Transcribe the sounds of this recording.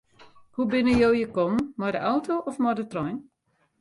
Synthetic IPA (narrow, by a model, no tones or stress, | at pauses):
hubɪnəjowjəkɔmmɔjdəʔɔwtoʔɔfmɔdətrɔjn